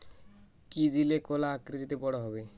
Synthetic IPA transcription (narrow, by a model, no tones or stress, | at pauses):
kid̪ilekolaakɾit̪it̪ebɔɽɔɦɔbe